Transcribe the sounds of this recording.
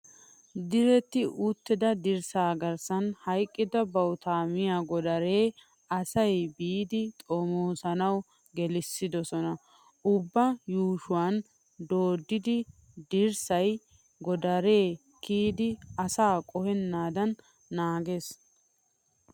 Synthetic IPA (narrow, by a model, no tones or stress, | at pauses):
d̪ɪɾɛt̪ːɪʔʊt̪ːɪd̪ɐd̪ɪɾsaːɡɐɾsɐnhɐjkʼːɪd̪ɐbɐwt̪aːmɪjaɡɔd̪ɐɾe̞ː | ɐsɐjbiːd̪ɪt̪ʼɔmoːsɐnɐw | ɡɛlɪsːɪd̪ɔsɔnɐ | ʔʊbːɐjuːʃʊwan | d̪oːd̪ːɪd̪ɪ | d̪ɪɾsɐj | ɡɔd̪ɐɾe̞ː | kiːd̪ɪɐsaːkʼɔhɛnːaːd̪ɐnː | aːɡeːs